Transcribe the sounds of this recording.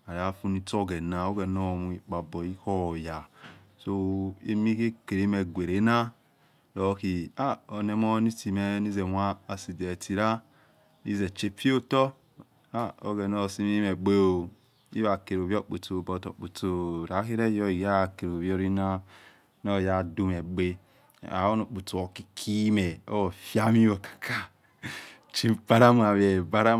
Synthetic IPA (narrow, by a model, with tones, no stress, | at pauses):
a˨ɾa˦fu˦ni˧to˦˨ɡɛ˨na˨o˦ɡɛ˨nɔ˦˨mu˨i˨k͡pa˨bɔ˨i˦kɔ˦˨ja˨ | so˦ḛ˦mi˦ke˦ke˨ɾe˨˦mɛ˨ɡʷe˨ɾe˨˦na˦ | lɔ˨˦ki˨a˦o˨nɛ˨mɔ˦ni˦ti˨mɛ˨ni˦ze˨mʷ˦aː˦˨si˨dɛ˨ti˨ɾa˦ | ni˦zɛ˨t͡ʃe˦fi˦o˦tɔ˦ | a˦o˨ɡe˨no˦˨si˦mi˦me˨ɡ͡be˦o˨ | ḭ˦βa˨ke˨ɾo˨βjo˦k͡pu˨to˨bo˨to̰˨k͡pu˨to˨ɾa˨˦ki˦ɾe˦jo˦i˨ɡa˦˨ke˨ɾo˨βo˦ɾi˦na˦ | no˦˨ja˦˨du˦me˨ɡ͡be˦ | a̰˨˦o˦no˨k͡pu˨to˨o˨ki˦kʰi˦me˨o̰˦wo˨fja˦mi˦o˨kḁ˨kʰa˦ | t͡ʃi˦ba˦ɾa˦m˦a˨βe˨ba˦ɾa˦